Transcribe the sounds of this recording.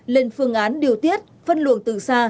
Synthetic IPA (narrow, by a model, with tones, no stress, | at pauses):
le˧˨˩nfɨ˧əŋʔaː˨˦nɗi˨˩əwt̪i˦˥ət̚fə˧nlɨ̰˧˨ənt̪ɨ̰˧˨˩saː˧